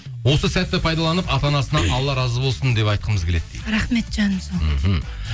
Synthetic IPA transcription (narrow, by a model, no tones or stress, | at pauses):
wo̞səsæt̪ːɪpʰɑjd̪ɑlˠɑnəpɑt̪ɑnɑsənɑʔɑlˠːɑɾɑzəbo̞lˠsənd̪e̞pɑjt̪̚qəməzɡʲkʰʲe̞le̞t̪̚ːeɾɑχme̞t̪ʒɑnmsom̩ɦ